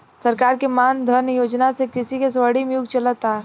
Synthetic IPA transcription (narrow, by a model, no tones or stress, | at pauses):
sɐɾkaːɾkemaːnd̪ʱənjoːd͡ʒnasekɪsikes̬ʋaɽimjuɡt͡ʃələt̪ːaː